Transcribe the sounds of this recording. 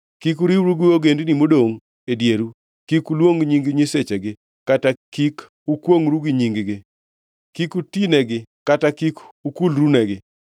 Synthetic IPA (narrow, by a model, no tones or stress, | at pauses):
kikuɾiwɾuɡioɡendnimodoŋ | edjeɾu | kikulwoŋɲiŋɡɲeset͡ʃeɡɪ | katakik | ukwoŋɾuɡiɲiŋɡɡɪ | kikutinɛɡɪkatakikukulɾunɛɡɪ